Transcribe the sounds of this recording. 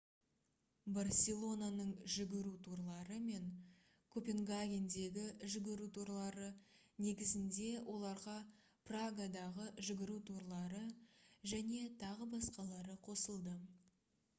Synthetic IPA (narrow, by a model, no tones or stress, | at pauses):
barsʲe̞lˠo̞nanəɴʒʏɡʲɪɾut̪ʰuɾlˠɑɾəme̞ŋ | kʰo̞pʲe̞ŋɡaɡʲe̞nd̪e̞ɡʲɪʒʏɡʲɪɾut̪ʰuɾlˠɑɾə | ne̞ɡʲɪzɪnd̪e̞wʔo̞lˠɑɾʁɑ | praɡad̪ɑʁəʒʏɡʲɪɾut̪ʰuɾlˠɑɾəʒæne̞t̪ʰɑʁəbɑsqɑlˠɑɾəqʰo̞səlˠd̪ə